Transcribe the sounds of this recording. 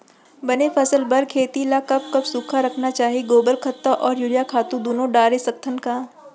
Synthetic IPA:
bɐnefɐsəlbɐɾkʰeːt̪ilakɐb̚kɐbsuːkʰaɾɐkʰnat͡ʃaːɦiɡoːbəɾkʰɐt̪ːaʔɔːɾjʊɽijakʰaːt̪ũd̪oːnõɖaːɾesɐk̚t̪ʰənkaː

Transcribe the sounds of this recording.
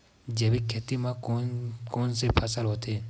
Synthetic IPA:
d͡ʒebikʰːeːt̪imã | koːnsepʰəsəlɦoːt̪eː

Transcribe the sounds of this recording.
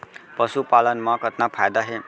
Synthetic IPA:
pʌsupalʌnmakʌt̪napʰajd̪aɦe

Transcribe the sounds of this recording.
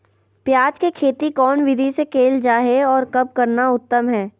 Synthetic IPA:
pjaːd͡ʒkekʰeːt̪ikɔːnʋɪd̪ʱisekʰeːld͡ʒaːɦeɔːɾkɐp̚kɐɾnaʊt̪ːəmɦɛː

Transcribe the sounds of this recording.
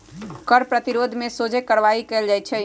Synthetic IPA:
kəɾpɾət̪iɾod̪ʱmesod͡ʒʱekəɾʋaikeld͡ʒajt͡ʃʰɛ

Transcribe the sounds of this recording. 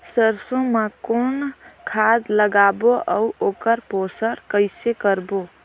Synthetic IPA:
səɾsõmakonkʰad̪ləɡaboʔəuoːkəɾposəɾkəɪsekəɾbo

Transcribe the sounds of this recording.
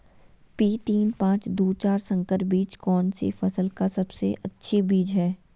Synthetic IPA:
piːt̪iːnpãːt͡ʃd̪uːt͡ʃaːɾsə̃ŋkəɾbiːt͡ʃkɔːnsḛfɐsəlkasɐbsḛʔɐtːʃʰebiːd͡ʒɦɛː

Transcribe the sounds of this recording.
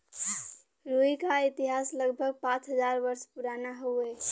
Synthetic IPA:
ɾoikait̪iɦasləɡbʱəɡ̚pãt͡ʃɦəd͡ʒaɾbəɾspuɾanaɦoe

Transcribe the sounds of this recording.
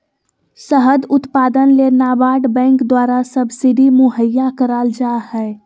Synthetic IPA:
səɦəd̪ʊt̪paːd̪ənlenaːbaːʈbɛ̃ːŋkd̪waːɾasəbsɪɖ̪ʱimʊɦəjːakəɾaːld͡ʒaːhɛ

